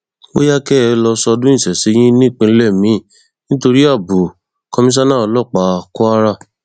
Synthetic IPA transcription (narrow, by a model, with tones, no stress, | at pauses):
o̰˦ja˦kɛ˦˧lɔ˧sɔ˧dũ˦ĩ˦˨sɛ˨si˨˦j̃ĩ˦nĩ˦˨k͡pĩ˧˦lɛ˦˨mĩ˨˦ | nĩ˦to˧ɾi˦a˦˨bu˨ | kɔ˦mĩ˦s̬a˦nã˦˨ɔ˧lɔ˦˨k͡pa˧˨kɔ˦a˦ɾa˧˨